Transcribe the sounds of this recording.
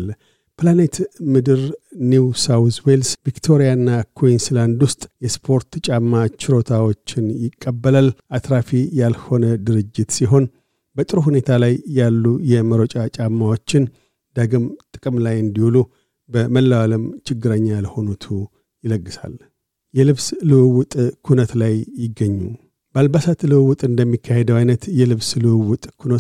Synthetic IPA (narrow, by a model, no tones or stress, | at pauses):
l | pɨlane̞t̪mɨd̪ɨɾniwsawswelsvikt̪ʰo̞ɾijanːakʰoinsland̪wʊst̪ʼjɛspʰo̞ɾt̪t͡ʃʼamːat͡ʃɪɾo̞t̪ʰawo̞t͡ʃːɪnjɪkʼːəbːəlalʔat̪ɾafijalho̞nəd̪ɨɾɨd͡ʒːɪt̪siɦo̞n | bət̪ʼɨɾuɦune̞t̪ʰalajːalːujɛməɾot͡ʃʼat͡ʃʼamːawo̞t͡ʃːɪn | d̪̥əɡɨmt̪ʼɨkʼɨmlajɨnd̪ihulu | bəməlːəwaləmt͡ʃʰɪɡːɨɾəɲːaləho̞not̪ʰu | jɪləɡːɨsa̰l | jɛlɨβslɨwɨwʊt̪ʼkʰunət̪lajːɪɡːəɲːṵ | balbasat̪lɨwɨwʊt̪ʼɨnd̪əmːikʰːahe̞d̪əwajnət̪jɛlɨβslɨwɨwʊt̪ʼkʰunət̪